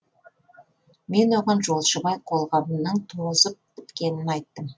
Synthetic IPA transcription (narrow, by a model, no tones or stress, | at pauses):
me̞nwoʁɑnʒo̞lˠʃəbɑjqʰo̞lˠʁɑmənəɴt̪ʰozəp̚bɪt̪kʲe̞nɪnɑjt̪ːəm